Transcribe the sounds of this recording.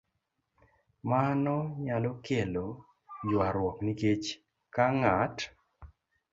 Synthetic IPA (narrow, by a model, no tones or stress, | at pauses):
manɔɲalɔkelo | d͡ʒwaɾwɔkniket͡ʃ | kaŋat